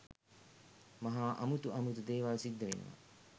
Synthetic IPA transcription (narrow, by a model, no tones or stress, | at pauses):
maɦaːʔa̰mut̪uɐmut̪ud̪eːʋaːlsid̪ːɐʋḛnṵʋa̰